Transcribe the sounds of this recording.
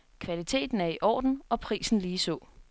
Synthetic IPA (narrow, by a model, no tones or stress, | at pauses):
kʰʋælit͡sʰe̝̰ːd̥n̩æɐiʔɒ̰ːd̥n̩ɒ̽pʰʁḭːsn̩liːsɔ̰̽ː